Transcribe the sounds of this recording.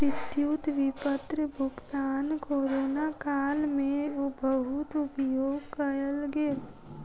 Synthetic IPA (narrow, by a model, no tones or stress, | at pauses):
ɪt̪jut̪ʋɪpət̪ɾəbʱʊɡt̪aːnkoːɾoːnakaːlmẽobəɦʊt̪ʊpjoːɡkəɾəlɡel